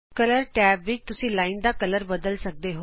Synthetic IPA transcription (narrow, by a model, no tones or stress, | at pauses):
kələɾʈɛːpʋɪt͡ʃt̪ʊsĩːlaːind̪aːkələɾbəd̪əlsək̚d̪eːɦo